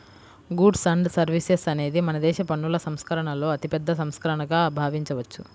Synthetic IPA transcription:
ɡuɖsɐɳɖsɐɾʋisesɐne̞ːd̪imɐnɐd̪ɛːʃɐpɐɳːulɐsɐmskɐɾɐɳɐlo̞ːɐt̪ipɛd̪ːɐsɐmskɐɾɐɳɐɡaːbʱaːʋiɲt͡ʃɐʋɐt͡ʃːu

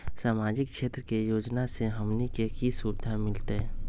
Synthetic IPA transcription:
saːmaːd͡ʒɪkʃeːt̪ɾəkejoːd͡ʒnaseɦəmnikekisuːbɪd̪ʱamɪlt̪e

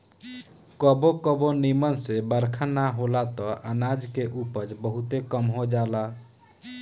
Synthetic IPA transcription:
kəbokəbonimənsebəɾkʰanaɦolat̪ɔʔənad͡ʒkeʔupəd͡ʒbəɦut̪ekəmɦod͡ʒala

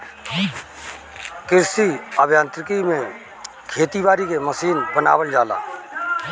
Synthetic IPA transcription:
kɪɾsiəbjãːnt̪ɾɪkimẽ | kʰeːt̪iʋaːɾikeməsiːnbəna̰ːwəld͡ʒaːla̰ː

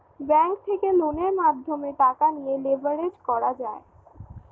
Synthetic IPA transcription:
bɛŋkt̪ʰekeloneɾmad̪ʱːomeʈakanijelebʱaɾed͡ʑkɔɾad͡ʑae

